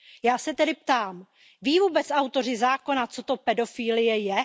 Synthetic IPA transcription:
jaːsɛt̪ɛdɪp̚t̪aːm | viːvuːbɛt͡sawt̪o̞rɪzaːko̞nat͡so̞t̪opɛdo̞fiːlɪjɛjɛ

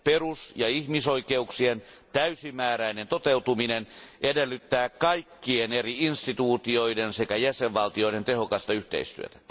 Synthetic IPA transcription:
perusjɑihmisoikeuksien | t̪æysimæːɾæinent̪ot̪eut̪uminenʔedelːyt̪ːæːkkɑikːieneriinst̪it̪uːt̪io̞idensekæjæseʋʋɑlt̪ioiɾent̪ehokɑst̪ɑyht̪ḛist̪y̰ø̰t̪æ̥

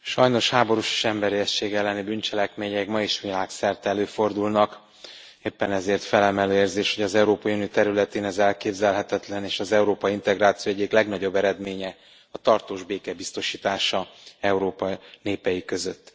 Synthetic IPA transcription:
ʃɒjno̞ʃhaːbo̞ɾuʃe̥ːʃɛmbɛɾiɛst͡ʃːeːɡɛlːɛnibynt͡ʃɛlɛkmeːɲɛɡmɒiʃʋilaːksɛrt̪ɛløːfo̞rd̪ulnɒk | eːpːɛnɛzeːrt̪fɛlɛmɛløːeːrzeːʃho̞ɟɒzɛuɾoːpɒjuniit̪ɛɾylɛt̪eːnɛzɛlkeːbzɛlɦɛt̪ɛt̪lɛneːʃɒzɛuɾoːpɒiint̪ɛɡraːt̪sijoɛɟːiklɛɡnɒɟo̞bːɛɾɛd̪meːɲɛ | ɒt̪ɒrt̪oːʒbeːkɛbist̪o̞ʃiːt̪aːʃɒɛuɾoːpɒneːpɛjikø̞zø̞t̪ː

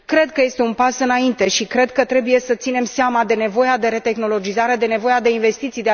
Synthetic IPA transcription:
kɾe̞d̪kəje̞st̪e̞unpasɨnaint̪e̞ʃikɾe̞d̪kət̪ɾe̞buje̞sət̪sine̞mseamad̪e̞ne̞vo̞jad̪e̞ɾe̞t̪e̞xno̞lo̞d͡ʒizaɾe̞d̪e̞ne̞vo̞jad̪e̞inve̞st̪it̪sijd̪ea

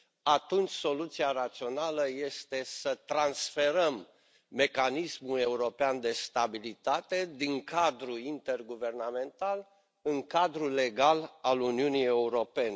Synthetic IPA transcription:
at̪unt͡ʃʲso̞lut̪siaɾat̪sio̞naləje̞st̪e̞sət̪ɾansfe̞ɾəmː | e̞kanismule̞uɾo̞peand̪e̞st̪abilit̪at̪e̞d̪iŋkad̪ɾuint̪e̞rɡuve̞rname̞nt̪al | ɨŋkad̪ɾule̞ɡalaluniunie̞uɾo̞pe̞ne

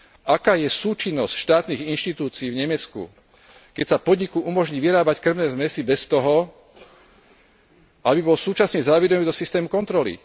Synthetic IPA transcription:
akaːjɛsuːt͡ʃinːɔscʃt̪aːt̪niːɣinʃt̪it̪uːt͡siːvɲɛmɛt͡skṵ | kɛcsapɔd̪ɲikuʔumɔʒɲiːʋiɾaːbackr̩ʊnɛːzmɛsibɛst̪ɔɦɔ | ʔabibɔlsuːt͡ʃasɲɛzaʋɛd̪ɔmiːd̪ɔsist̪ɛːmukɔnt̪ɾɔlḭ

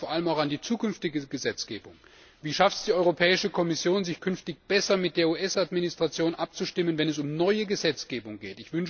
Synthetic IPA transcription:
foːɐaləmaʊxandiːt͡suːkʏnftɪɡəəɡəzɛt͡sɡ̥ḛːbʊŋ | viːʃaftsd̥iːʔɔʏʁopʰɛːɪʃəkʰɔmɪsjoːnzɪçkʰʏnftɪçb̥ɛsɐmɪt̚d̥eːɐuːʔɛsatminɪstʁ̥at͡sjoːnʔap̚t͡suʃtɪmənvɛnɛs̬ʊmnɔʏəɡəzɛt͡sɡ̥eːbʊŋɡeːtɪçv̥ʏnʃ

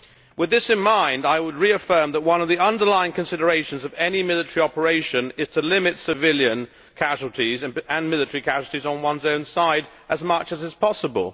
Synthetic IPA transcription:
wɨðɪsɨ̃nmãɪ̃ndaɪwəd̚ɹiɨfɜ̃˞mðət̚wʌ̃nʌvðiʌ̃ndə˞laɪɪ̃ŋkʰɨ̃nsɪɾə˞eɪʃn̩zʌvɛnimɪlˠɨtə̥ɹiɑpə˞eɪʃɨ̃nɪz̥tʰəlɪ̃mɨtsɨvɪlˠjɨ̃n | kʰæʒl̩ˠtʰiz̃ɨ̃nmɪlˠɨtə˞ikʰæʒl̩ˠtizn̩wʌ̃nzõʊ̃nsaɪɾ | ʔɨzmʌt͡ʃɨzɨz̥pʰɑsəbə̰lˠ

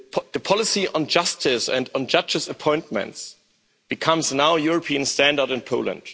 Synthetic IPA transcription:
ðəpʰɔlɪsiʔə̃nd͡ʒʌstʰɪsɛ̰̃nd̃n̩d͡ʒʌd͡ʒɨsəpʰɔ̃ɪ̃nt̚mə̰̃nts | b̥ɨkʰʌ̃mznaʊjʊɹəpʰiɨ̃nstæ̃ndə˞ɾɨ̃npʰoʊlə̰̃nd̥

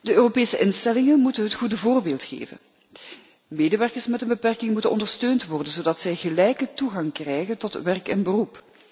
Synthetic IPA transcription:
dəøːropeːsəʔɪnstɛlɪŋənmutənɦətχudəvoːrbeːlˠtxḛːvə̰n | meːdəʋɛrkərsmɛtənbəpɛrkɪŋmutənʔɔ̰ndərɹstøːntʋɔrdənzoːdɑtsɛjɣəlɛjkətuɣɑŋkrɛjɣəntɔtʋɛrkɛnbərup

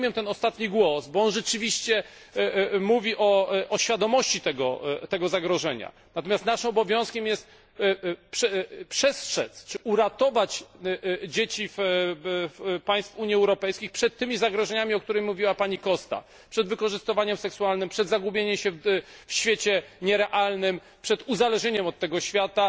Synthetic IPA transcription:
mʲjɛmt̪ɛnɔst̪at̪ɲiɡwɔsbɔɔnʐɛt͡ʂɘvʲiɕt͡ɕɛ | muvʲiʔɔʔɔɕfʲjad̪ɔmɔɕt͡ɕit̪ɛɡɔ̰t̪ɛɡɔzaɡɾɔʐɛɲa̰ | nat̪ɔmʲjast̪naʂɨmɔbɔvʲjɔ̃w̃skʲɛmjɛst̪̚ | pʂɛpʂɛstʂɛ̰t̪st͡ʂɘʔuɾat̪ɔvat͡ɕ | d͡ʑet͡ɕif | fpaj̃st̪fuɲjiɛwɾɔpɛjskʲixpʂɛt̪ːɘmʲizaɡɾɔʐɛɲamʲiɔkt̪uɾɛjmuvʲiwapaɲikɔst̪a̰ | pʂɛd̪vɘkɔʐɘst̪ɨvaɲɛmsɛksualnɘmpʂɛd̪zaɡubʲjeɲɛmɕɛfɕfʲjet͡ɕɛɲɛɾɛʔalnɘm | pʂɛd̪uzalɛʐɲeɲɛmɔt̪ːɛɡɔɕfʲjat̪a

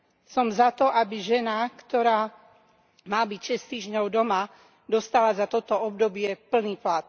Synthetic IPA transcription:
sɔmzat̪ɔʔabiʒɛnakt̪ɔɾaː | maːbicʃɛst̪iːʒɲɔʊd̪ɔma | d̪ɔst̪alazat̪ɔt̪ɔɔb̚d̪ɔbɪɛpl̩niːplat̪̚

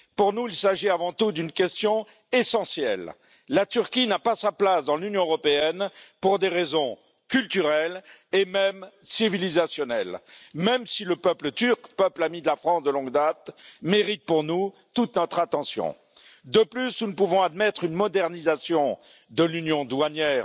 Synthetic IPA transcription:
puʁnuilsaʒiavɑ̃t̪ud̪ynkʲɛst̪jɔ̃ | esɑ̃sjɛlː | at̪yʁkʲinapasaplasd̪ɑ̃lynjɔ̃øʁɔpeɛnpuʁd̪eʁezɔ̃ | kʲylt̪yʁɛlemɛmsivilizasjɔnɛlmɛmsiləpœplət̪yʁkpœplamid̪əlafχɑ̃sd̪əlɔ̃ɡd̪at̪meʁit̪̚puʁnu | t̪ut̪nɔt̪χat̪ɑ̃sjɔ̰̃ | d̪əplysnunəpuvɔ̃ad̪mɛt̪χynmɔd̪ɛʁnizasjɔ̃ | d̪əlynjɔ̃d̪waɲɛːʁ

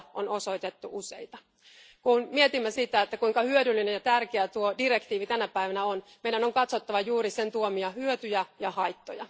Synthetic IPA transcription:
o̰no̞so̞it̪e̞t̪ːuʔusḛjt̪ɑ | kunmiet̪imːæsit̪æet̪ːækuiŋkɑhyødylːine̞njɑt̪ærkeæt̪uodire̞kt̪iːʋit̪ænæpæiʋænæonmeidæno̞ŋkɑt̪so̞t̪ːɑʋɑjuːɾise̞nt̪uomiɑhyøt̪yjæjɑhɑjt̪ːojɑ̰

